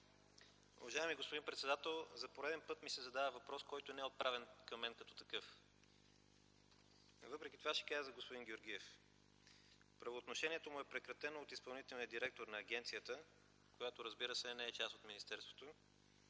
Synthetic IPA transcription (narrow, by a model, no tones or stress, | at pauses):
ṵvɐʒaɛmiɡospod̪inpɾɛt̪sɛd̪at̪ɛlˠzɐpoɾɛd̪ɛnpɤt̪misɛzɐd̪avəvɐpɾɔskɔjt̪onɛɛot̪̚pɾʔavɛnkɐmːɛnkɐt̪ɔ̥t̪ɐkɤf | vɤpɾɛkʲit̪ovaʃɛ̥kazzvəɡospod̪inɡʲjoɾɡ̟iɛf | pɾɐvoːt̪noʃɛniɛt̪omʊɛpɾɛkɾɐt̪ɛnoːt̪ispɐlˠnit̪ɛlˠniəd̪iɾɛk̚t̪oɾnɐːɡ̟ɛnt̪sijət̪ə | kojat̪oɾəzbiɾəsɛnɛɛt͡ʃast̪ot̪minist̪ɛɾst̪vo̥t̪o